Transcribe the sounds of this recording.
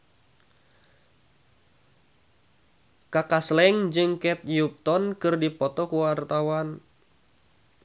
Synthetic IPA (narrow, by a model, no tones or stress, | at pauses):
kakaslɛŋd͡ʒɨŋkɛt̪̚jup̚t̪ɔnkɨrdipɔt̪ɔkuwart̪awan